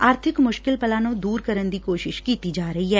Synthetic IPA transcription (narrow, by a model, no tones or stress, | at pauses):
aːɾt̪ʰɪkmʊʃkɪlpɐlaːnõd̪uːɾkɐɾənd̪ikoːʃɪʃkiːt̪id͡ʒaːɾɐɦiɦɛː